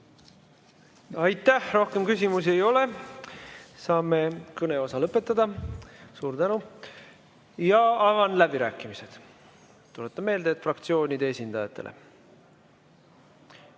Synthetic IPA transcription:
ɑjt̪ːæhro̞hke̞mkysʲimusie̞jo̞le̞ | sɑːme̞kɤne̞o̞sɑlɤpːˑe̞t̪ːˑɑd̪ɑsuːɾd̪ænu | jɑɑvɑnlæb̥iɾæːkːˑimise̞d̪̥ | t̪ːulet̪ːˑɑme̞ːld̪et̪frɑkt̪sio̞ːnʲid̪eesʲind̪ɑjɑt̪ːˑe̞̰lʔḛ

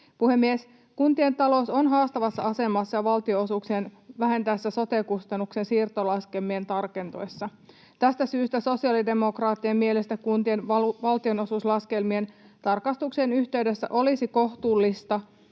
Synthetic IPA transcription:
puhe̞mːies | kunt̪ient̪ɑlo̞so̞nɦɑːst̪ɑʋɑsːɑɑse̞mɑsːɑjɑʋɑlt̪ioosuksenʋæɦænt̪æsːæso̞t̪ekust̪ɑnːuksensiːrt̪olɑskelmient̪ɑrke̞nt̪o̞̰jsːɑ | t̪æst̪æsyːst̪æso̞siɑlide̞mo̞krɑːt̪ːiemmielest̪ækkunt̪ienɑʋɑlt̪io̞no̞suslɑske̞lmie̞n | t̪ɑrkɑst̪uksenyçt̪e̞ydesːæ̰ʔolisiko̞ht̪uːlːist̪ɑ

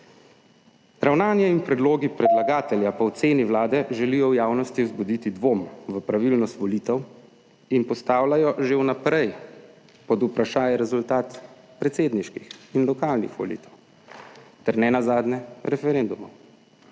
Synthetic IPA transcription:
ɾawnaːnjɛinpɾɛd̪loːɡipɾɛd̪laɡaːt̪ɛljapaɔt̪seːniwlaːd̪ɛʒɛlijɔwjaːwnɔst̪iwzbud̪iːt̪id̪ʋoːmʋəpɾaʋilnɔst̪ʋɔliːt̪ɛw | inpɔst̪aːwlajɔʒewnapɾɛj | pɔd̪upɾaʃaːjɛɾɛzult̪aːt̪ | pɾɛt̪seːd̪niʃkixinlɔkaːlnḭxʋɔ̰lḭːt̪ɛw | t̪ɛɾnɛnazaːd̪nɛɾɛfɛɾend̪umɔw

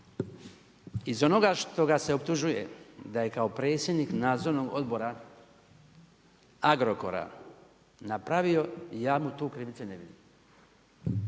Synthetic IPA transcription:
izo̞no̞ɡaʃt̪o̞ɡase̞o̞p̚t̪uʒuje̞̰d̪aje̞kao̞pɾe̞ːt̪sje̞d̪niknaːd̪zoʋno̞ɡo̞̰d̪bo̞ɾa | aɡɾo̞ko̞̰ɾa̰ | napɾaʋio̞jaːmut̪uːkɾiʋit̪seneʋid̪ḭm

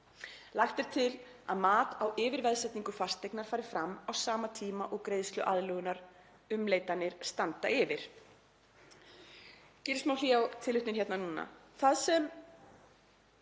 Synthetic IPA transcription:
laxt̪ɛɾ̥t̪ʰɪl | a̰ðmaːt̪awɪːvɪɾvɛðsɛjt̪niŋkʏfar̥st̪ːejknaɾ̥faːɾɪɾ̥fɾamːawsaːmat̪ʰiːmaʔɔɣkɾejðst̪lʏʔaðlœːɣʏnaɾ | ʏmleːjt̪anːɪɾ̥st̪ant̪aɪvɪɾ̥ | cɪɾsmawliːjawt̪ʰɪlːʏht̪ɪnçɛt̪nanuːna̰θaðsɛm

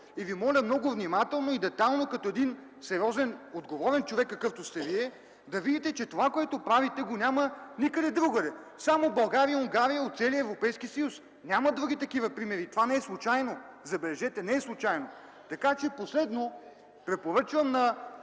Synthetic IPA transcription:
ivimɔlʲəmnɔɡʊvnʲimat̪ɛlˠnoid̪ɛt̪alˠnokɐt̪oɛd̪in | sɛɾiɔzɛnod̪ɡovɔɾɛnt͡ʃovɛkːɐkɤft̪ost̪ɛviɛ | d̪ɐvid̪it̪ɛt͡ʃɛt̪ovakoɛt̪opɾavit̪ɛɡonʲamɐnikəd̪ɛd̪ɾuɡəd̪ɛ | samobɐlˠɡaɾiioŋɡaɾijəot̪t̪sɛliəɛvɾopɛjskisɐjus | nʲamɐd̪ɾuɡ̟it̪ɐkivɐpɾimɛɾit̪ovanɛɛslˠʊt͡ʃajno | zɐbɛlɛʒɛt̪ɛnɛɛslˠʊt͡ʃajno | t̪ɐkat͡ʃɛposlɛd̪no | pɾɛpoɾɤt͡ʃvəmnɐ

